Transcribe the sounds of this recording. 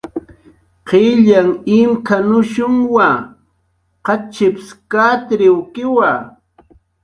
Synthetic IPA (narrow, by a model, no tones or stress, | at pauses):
qɪʎaŋɪmkanʊʃʊŋwa | qɑt͡ʃɪpskat̪ɾɪwkɪwa